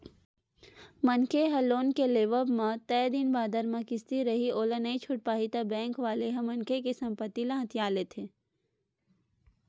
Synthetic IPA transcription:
mɐnkʰeɦɐloːnkeleːʋəbmãt̪ɛːd̪ɪnbaːd̪əɾmãkɪst̪iɾɐɦioːlənəit͡ʃʰʊʈ̚paːɦit̪abɛ̃ːŋkʋaːleɦɐ̃mɐnkʰekesɐ̃mpət̪ːilɐ̃ɦət̪ʰijaːlet̪ʰeː

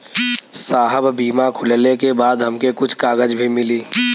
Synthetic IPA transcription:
saːɦəbbiːmakʰʊllekebaːd̪ɦəmkekʊt͡ʃʰkaːɡəd͡ʒbʱimɪliː

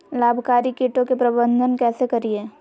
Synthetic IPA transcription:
laːbʱkaːɾikiːʈõkepɾɐbə̃nd̪ʱənkɛːsekɐɾieː

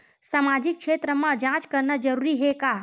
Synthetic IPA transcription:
samad͡ʒik̚t͡ʃʰet̪ɾəmə̃d͡ʒãt͡ʃkəɾnəd͡ʒəɾuɾiɦeka

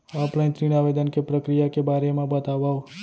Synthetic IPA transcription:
ɔplajnt̪ɾinaʋed̪ənkepɾəkɾijakebaɾemãbət̪aʋaʋ

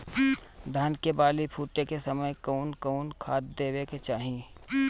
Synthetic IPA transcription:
d̪ʱaːnkebaːlipʰuːʈekesɐməjkɔːnkɔːnkʰaːt̪̚d̪eːweket͡ʃaːɦĩ

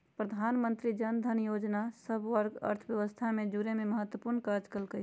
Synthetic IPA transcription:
pɾəd̪ʱaːnmə̃nt̪ɾid͡ʒənd̪ʱənjoːd͡ʒnasəbʋəɾɡə̰ɾt̪ʰbjəʋəst̪ʰamẽd͡ʒuɾememəɦət̪wəpuɾnkad͡ʒkəlkə

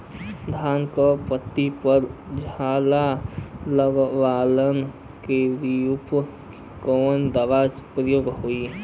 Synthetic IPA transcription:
d̪ʱaːnkɔpət̪ːipəɾd͡ʒʱaːlaləɡʋaːlən | keɾijup | kond̪aʋaːd͡ʒpɾəjoːɡɦoi

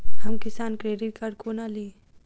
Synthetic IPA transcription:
ɦɐmkɪsaːnkɾeːɖɪʈ̚kɐɾkonaliː

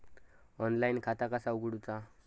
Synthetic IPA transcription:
ɔnlajnkʰat̪akasauɡɽut͡sa

